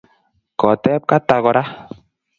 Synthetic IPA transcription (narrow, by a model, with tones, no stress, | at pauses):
kɔ˨tɛ˦p̚ka˦ta˨ɣɔ˨ɾa˦